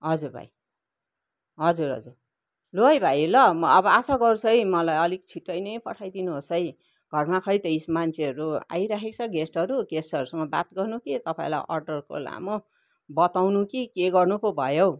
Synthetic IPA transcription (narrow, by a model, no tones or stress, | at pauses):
ɦʌd͡zuɾbʱa̰j | ɦʌd͡zuɾɦʌ̰d͡zur | loʌjbʱajlʌːbʌasaɡʌɾut͡sʰʌjmʌlajʌlikt͡sʰiʈːʌjnʌjpʌʈʰajd̪inuɦosʌj | ɡ̥ʱʌrmakʰʌjt̪ʌismant͡sʰeʌɾua̰jɾakʰekt͡sʰʌɡesʈʌɾuɡesʈʌɾusʌŋɡʌba̰t̪ɡʌrnukit̪ʌpaḭ̃la̰jʔʌ̰rɖʌrko̰la̰mʌ | bʌt̪awnukikeɡʌrnupobʱʌjo